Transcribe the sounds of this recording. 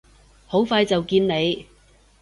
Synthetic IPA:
ho˨˥wfaː˧jt͡sɐ˨wkiː˧nne˨˧j

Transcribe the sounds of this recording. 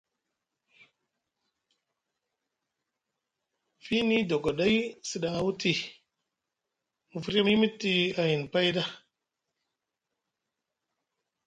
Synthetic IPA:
fi˦ni˦do˨ɡo˨ɗa˦i˦si˨ɗa˨ŋa˨wu˦ti˨ | mu˨fu˦ɾe˦mi˦mi˦ti˦a˨ji˨npa˦jda˦

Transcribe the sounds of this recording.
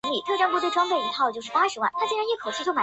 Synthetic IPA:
nli˨˩t̪ʰɤ˥˧ʈ͡ʂɑ˥ŋpu˥we˥˩ɪʈ͡ʂwa˥ŋpe˥˩ɪi˧˥t̪ʰɑ˥˩t͡ɕjʂɻ̩˥˩pa˥ʂɻ̩˧˥wa̰˥˩nt̪ʰa˥t͡ɕi˥˩˧ɻa˧˥ni˥˩kʰo˨˩ʊt͡ɕʰi˥˧t͡ɕʰo˥ma˨˩

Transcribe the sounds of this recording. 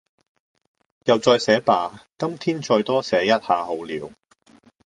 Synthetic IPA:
jɐ˨wt͡sɔː˧jsɛː˨˥paː˨kɐ˥mt̪ʰiː˥nt͡ʃɔː˧jt̪ɔː˥sɛː˨˥jɐ˥t̚haː˨˧ɦo˨˧wliː˨˥w

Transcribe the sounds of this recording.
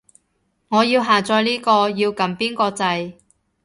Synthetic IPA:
ŋɔː˨˧jiː˧wɦaː˨˩t͡sɔː˧jliː˥kɔː˧jiː˧wkɐ˨˧mpiː˥nkɔː˧t͡sɐ˧j

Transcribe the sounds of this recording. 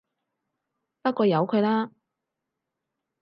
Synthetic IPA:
pɐ˥t̚kɔː˧jɐ˨˧wkʰɵ˨˧ɥlaː˥

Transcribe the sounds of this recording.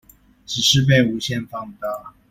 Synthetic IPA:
ʈ͡ʂ̩˨˩ʂɻ̩˥˧p̬e˥˩ɪu˧˥ɕjɛ˥˧nfɑ˥˧ŋt̪a˥˩

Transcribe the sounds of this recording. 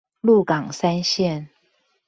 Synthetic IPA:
lu˥˨kɑ˨˩ŋsa˥˦nɕjɛ˥˨n

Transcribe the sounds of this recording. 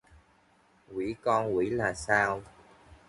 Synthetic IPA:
wi˧˦kɔ˧nkwḭ˧˦laː˨˩saː˧w

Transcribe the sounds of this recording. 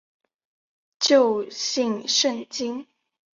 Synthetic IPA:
t͡ɕjo˥˧ʊɕi˥˧ŋʂə˥˨ŋt͡ɕi˥ŋ

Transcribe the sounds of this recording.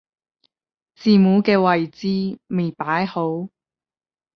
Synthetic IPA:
t͡siː˨˩muː˨˥kɛː˧wɐ˨jt͡siː˧me˨jpaː˨˥jho˨˥w

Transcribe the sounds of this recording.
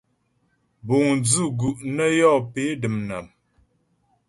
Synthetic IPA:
bo˨ŋnd͡zu˦˨ɡu˨ʔnə˦jɔ˦˨pe˨˦də˨mna˨m

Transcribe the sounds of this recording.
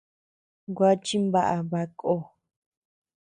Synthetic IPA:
ɡʷa˦t͡ʃi˦mba˦˨ʔa˨βa˧kʼo˧

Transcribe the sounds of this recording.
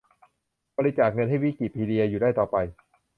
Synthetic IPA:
bɔ˧ɾi˧˥t͡ɕaː˨˩k̚ŋɤ˧nɦa˥˩jwi˦˥ki˨˩iː˧di˧ɐjuː˨˩da˥˩jt̪ɔː˨˩pa˧j

